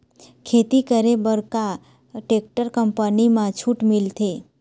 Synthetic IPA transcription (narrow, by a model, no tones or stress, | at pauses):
kʰet̪ikəɾebəɾka | ʈek̚ʈəɾkəmpənimãt͡ʃʰuʈmilt̪ʰe